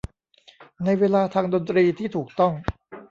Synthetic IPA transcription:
na˧jweː˧laː˧t̪ʰaː˧ŋdo˧nt̪ɾiː˧t̪ʰiː˥˩t̪ʰuː˨˩k̚t̪ɔ˥˩ŋ

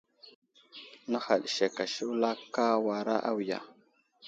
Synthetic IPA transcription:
na˦xa˨ɗʃe˨ka˨ʃi˦wla˦ka˦wa˨ɾa˦ʔa˦wja̰˨

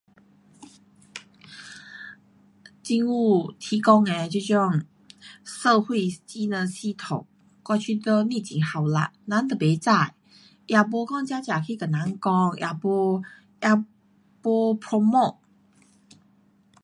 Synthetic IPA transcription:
t͡ɕi˥˧nu˥˧t̪ʰi˨˦kɔ˥ŋɛ˧t͡ɕo˥˧t͡ɕjɔ˥˧ŋ | sə˥˧xwe˥˩ɪt͡ɕi˥nə˨˧˨ɕi˥˧t̪ʰo˨˩ŋ | kwa˥˧t͡ɕʰy˥˧t̪ə˧˦ni˥˨t͡ɕi˨˩˦ŋha˨˩wla̰˧˦na˧˦nt̪ə˨˩pe˨˧˥t͡sa˥˩j | ja˨˩p̬wɔ˧˦kɔ˥˧ŋt͡ɕja˥t͡ɕja˨˩kʰi˥˧˨kə˨˩na˨˦nkɔ˥˧ŋjʔa̰˨˩pɔ˧ | ja˧˩ | pwɔ˧pʰɹɔ˧mo˥˧˩t̚

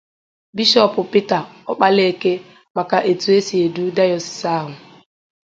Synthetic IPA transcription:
bi˦ʃɔ˦pʊ˨pi˦ta˨ɔ˦k͡pa˦le˦e˦˨ke˦ | ma˨ka˨ʔe˨tu˨e˦si˨e˨du˦da˦jɔ˨sɪ̥˨sa˦˨ɦʊ˨

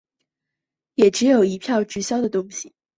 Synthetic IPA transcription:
jɛ˨˩ʈ͡ʂɻ̩˧˥jo˨˩ʊi˧˥pʰjɑ˥˧ʊʈ͡ʂɻ̩˥˩ɕjɑ˥ʊd̪ə˨t̪ʊ˥ŋɕi˨˩

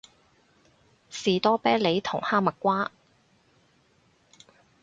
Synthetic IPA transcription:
siː˨t̪ɔː˥pɛː˥le˨˧jt̪ʰʊ˨˩ŋhaː˥mɐ˨k̚kʷːaː˥

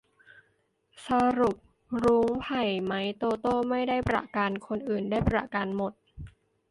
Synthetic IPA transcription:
sa˧ɾu˨˩p̚ | ɾuː˦˥ŋpʰa˨˩jma˦˥jt̪oː˧t̪oː˥˩ma˥˩jda˥˩jpɾa̰˧kaː˧nkʰo˧nʔɯː˨˩ndaː˥˩jpɾa˧˩ka˧nmo˨˩t̪̚

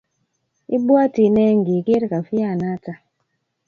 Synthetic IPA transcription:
i˦bwa˦ti˨nɛ˦ŋ˨ɡi˨ke˦ɾka˨fi˦a˦˨na˦ta˨

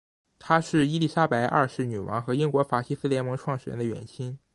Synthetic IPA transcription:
t̪ʰa˥ʂɻ̩˥˩i˥li˥˩ʂa˥pa˧˥ɪʔa̰˥˩ʂɻ̩˥˩ny˨˩wɑ̰˧˥ŋxɤ˧˥i˥ŋkwɔ˧˥fa˧˥ɕi˥sɹ̩˥ljɛ˧˥nmɤ˧˥ŋʈ͡ʂʰwɑ˥˩ŋʂɻ̩˨˩ɻə̰˧˥nd̪ə˧ɥɛ̰˨˩nɕʰi˥n

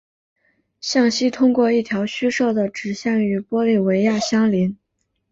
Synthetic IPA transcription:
ɕjɑ˥˩ŋɕi˥t̪ʰʊ˥ŋkwɔ˥˧i˥˩t̪ʰjɑ˧˥ʊɕy˥ʂɤ˥˩d̪ə˩ʈ͡ʂɻ̩˨˩ɕjɑ˥˩ŋy˧˥pwɔ˥li˥˩we˧˥ɪja˥˩ɕjɑ˥ŋli˧˥n

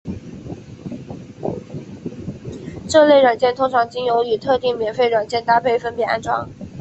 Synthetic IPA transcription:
ʈ͡ʂɤ˥˧le˥˩ɪɻwa˨˩nt͡ɕjɛ˥˩nt̪ʰʊ˥ŋʈ͡ʂʰɑ˧˥ŋt͡ɕi˥njo˧˥ʊy˨˩t̪ʰɤ˥˧t̪i˥˩ŋmjɛ˨˩˦nfe˥˩ɪɻwa˨˩nt͡ɕjɛ˥˩nt̪a˥pʰe˥˩ɪfə˥npjɛ˨˧˩a̰˥˧nʈ͡ʂwɑ̰˥ŋ

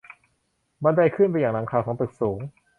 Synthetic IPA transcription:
ma˧nda˧jkʰɯ˥˩np̬a˧jaː˨˩ŋɾa˩˦ŋkʰaː˧wkʰɔː˩˦ŋt̪ɯ˨˩k̚suː˩˦ŋ

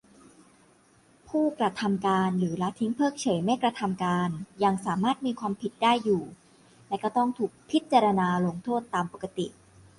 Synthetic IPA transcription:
pʰuː˥˩kɾa˧t̪ʰa˧mkaː˧nɾɯː˩˦la˦˥t̪ʰi˦˥ŋpʰɤː˥˩k̚t͡ɕʰɤ˩˦jma˥˩jkɾa˧t̪ʰa˧mkaː˧nja˧ŋsaː˩˦maː˥˩t̪̚miː˧kʰwaː˧mpʰi˨˩t̪̚daː˥˩jːuː˨˩ | lɛ˦˥kɔ˥˩t̪ɔ˥˩ŋt̪ʰuː˨˩k̚pʰi˦˥t̪̚t͡ɕa˧ɾa˧naː˧lo˧ŋt̪ʰoː˥˩t̪ːaː˧mpo˨˩kːa˧t̪ḭ˨˩ʔ

